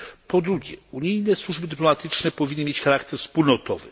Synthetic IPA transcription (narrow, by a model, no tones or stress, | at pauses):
pɔd̪ɾuɡʲjɛ̰uɲijnɛswuʐbɘd̪ɘplɔmat̪ɘt͡ʂnɛpɔvʲinːɘmʲjet͡ɕxaɾakt̪ɛɾfspulnɔt̪ɔvɘ̰